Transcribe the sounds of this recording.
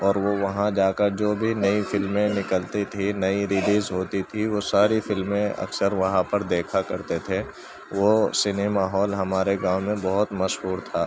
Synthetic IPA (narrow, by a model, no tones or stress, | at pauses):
ɔːɾʋoʋɐɦãd͡ʒaːkəɾd͡ʒoːbʱinɐifɪlmẽnɪkəlt̪it̪ʰinɐiɾɪliːzɦoːt̪it̪ʰiʋosaːɾifɪlmẽɐ̰ksəɾʋɐɦãpɐɾd̪eːkʰakɐɾt̪et̪ʰeː | ʋosɪneːmaːɦɔːlɦɐmaːɾeɡãːɦmẽbɐɦʊt̪mɐʃɦuːɾt̪ʰaː